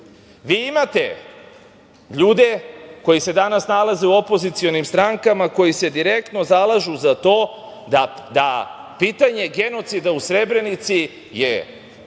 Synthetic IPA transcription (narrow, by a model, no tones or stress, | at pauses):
ʋiːimat̪e̞ | ʎuːd̪e̞ko̞jise̞d̪anasnalaze̞uo̞po̞zit̪sio̞nimst̪ɾaŋkamako̞jise̞d̪iɾe̞k̚t̪no̞zalˠaʒuzat̪o̞ː | d̪ad̪apiːt̪aɲe̞ɡe̞no̞t̪sid̪ausɾe̞bɾe̞nit̪si | jḛ